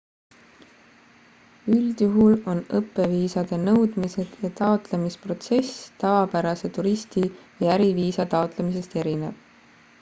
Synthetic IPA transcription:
yld̪̥juɦulo̞nɤpːˑe̞viːsɑd̪̥e̞nɤwd̪̥mise̞d̪̥jɑt̪ɑot̪le̞mispro̞t̪se̞st̪ɑvɑpæɾɑse̞t̪uɾisʲt̪ijɑæɾiviːsɑt̪ɑot̪ˑle̞mise̞st̪e̞ɾine̞̰v̥

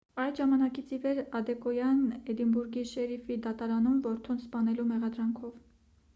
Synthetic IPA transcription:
ɑj̪ʒɑmɑnɑkit͡sʰivɛɾɑd̪ɛkɔjɑnɛd̪imbuɾɡiʃɛɾifid̪ɑt̪ɑɾɑnumvɔɾt̪ʰunspɑn̪ɛlumɛʁɑd̪ɾɑŋkʰɔv

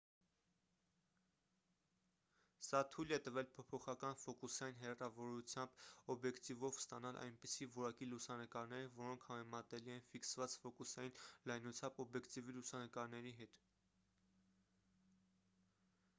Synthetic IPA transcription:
sɑt̪ʰujlɛt̪əvɛlpʰɔpʰɔχɑkɑnfɔkusɑjinɦɛrɑvɔɾut͡sʰjɑmb̥ɔbjɛkt̪ivɔvst̪ɑnɑlʔɑ̰jnpisivɔɾɑkilusɑnəkɑɾnɛɾəvɔɾɔŋkʰhɑmɛmɑt̪ɛliɛnfiksvɑt͡sfɔkusɑjinlɑjnut͡sʰjɑmbɔbjɛkt̪ivilusɑnəkɑɾnɛɾiɦɛt̪

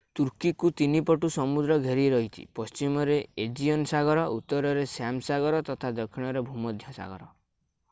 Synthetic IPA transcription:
t̪uɾkikut̪inipɔʈusɔmud̪ɾɔɡʱeɾieɾɔɦit̪ʰḭpɔst͡ʃimɔɾeed͡ʒiɔnsaɡɔɾɔut̪ːɔɾɔɾesamsaɡɔɾɔt̪ɔt̪ʰad̪ɔkʰiɽ̃ɔɾebʱumɔd̪ʱjasa̰ɡɔ̰ɾɔ

